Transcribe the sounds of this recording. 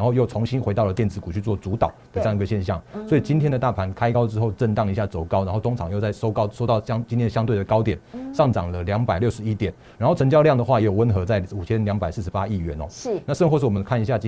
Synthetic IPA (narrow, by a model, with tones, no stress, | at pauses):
a˥nxo˥˧ʊjo˥˩ʊt͡sʰʊ˧˥ŋɕi˥nxwe˧˥ɪt̪ɑ˥ʊlə˩t̪jɛ˥˧˨nt͡sɹ̩˧˩ku˨˩t͡ɕʰy˥˧t͡swɔ˥˩t͡su˧˥t̪ɑ̰˨˩˦ʊd̪ə˩ʈ͡ʂɤ˥˧˥ŋi˧ɡə˩ɕjɛ˥˧nɕjɑ˥˩ŋswɔ˧˥i˨˩t͡ɕi˥nt̪ʰjɛ˥nd̪ə˨t̪a˥˩pʰa˧˦˥nkʰa˥ɪkɑ˥ʊʈ͡ʂɻ̩˥xo˥˧ʊʈ͡ʂə˥˧nt̪ɑ˥˩ŋi˧˥ɕja˥˩t͡so˨˩ʊkɑ˥ʊna˧˥nxo˥˩ʊt̪o˥ŋʈ͡ʂʰɑ˨˩ŋjo˥˧ʊt͡sa˥˩ɪʂo˥ʊkɑ˥ʊʂo˥ʊt̪ɑ˥˩ʊɕɑ˥ŋt͡ɕi˥nt̪ʰjnɕɑ˥ŋt̪we˥˩ɪə˩kɑ˥ʊt̪jɛ˨˩˦nʂɑ˥˩ŋʈ͡ʂɑ̰˨˩ŋlə˦ljɑ˧˥ŋpa˨˩ɪljʊʂɻ̩˧˦i˦˥t̪jɛ˨˩n | ɻa˨˥nxo˥˩ʊt͡sʰə˧˥ŋt͡ɕjɑ˥ʊljɑ˥˩ŋd̪ə˩xwa˥˩jɛ˧˥jo˨˩wə˦˥nxɤ˧˥t͡sa˥˩ɪu˨˩t͡ɕʰjɛ˥nljɑ˧˥ŋpa˨˩ɪsɹ̩˥˩ʂɻ̩˧˦pa˦˥i˥˩ɥɛ˧˥nɔ̰˨˦na˥˧ʂə˥˧ŋxwɔ˥˧ʂ̬̩˥˩wɔ˨˩mə˦nkʰa˥˩ni˧ɕja˥˩t͡ɕ